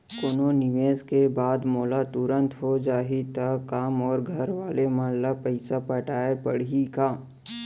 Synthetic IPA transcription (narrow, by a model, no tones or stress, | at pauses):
koːnonɪʋeːzkebaːd̪moːlat̪ʊɾə̃nt̪ɦod͡ʒaːɦit̪ɐkaːmɔːɾɡʱɐɾʋaːlemãnlapɐɪsapɐʈaːepɐɽɦikaː